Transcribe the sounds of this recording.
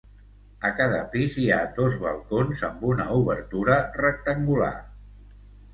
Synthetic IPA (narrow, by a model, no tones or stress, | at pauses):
əkaðəpiziad̪ozβə̰lˠkonzəmbunəuβəɾt̪uɾərək̚t̪əŋɡula̰